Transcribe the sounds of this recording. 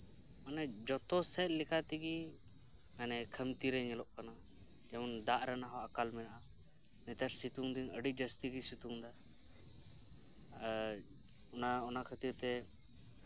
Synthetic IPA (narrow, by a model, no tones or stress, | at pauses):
ɔnɛd͡ʒɔt̪ɔsɛt̪̚ˀlɛkat̪iɡi | anɛkʰəmt̪iɾɛɲɛlɔʔkanad͡ʒɛnd̪aʔɾanaɦɔʔakalmɛa | nɛt̪aɾsit̪uŋd̪iŋəɖid͡ʒəst̪iɡisit̪uŋd̪a | ɔnaɔnakʰət̪it̪ɛ